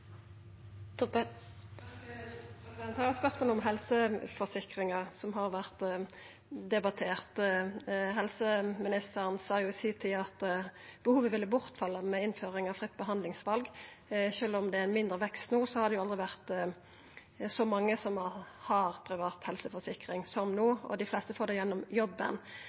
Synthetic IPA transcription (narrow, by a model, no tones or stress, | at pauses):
t̪ | ɛnɑɾəɛt̪spœʁsmoːlɔmɦɛlsəfɔsɪkʁɪŋɑʁsɔmɦɑʁʋæʁt̪ | d̪ɛbɑt̪ʰeːʁt̪ | ɦɛlsəmɪnɪst̪əɾənsɑːjʊɪsiːt̪ʰiɑt̪b̥əhuːʋəʋɪlːəbʊʁt̪fɑlːəmɛɪnføːɾɪŋɑʋfʁɪt̪ːbəɦɑnd̪lɪŋsʋɑlɡ | ʃøːlɔmd̪ɛæɾɪnmɪnd̪ɾəʋɛkst̪nuːsɔhɑd̪ɛjʊɑld̪ʁɪʋæʁt̪ | sɔmɑŋːəsɔmhɑʁpʰɾɪʋɑːt̪hɛlsəfɔsɪkɾɪŋsɔmnuːɔ̰d̪ɪflɛst̪əfoːɾd̪ɛjɛnːɔmjɔbːə̰n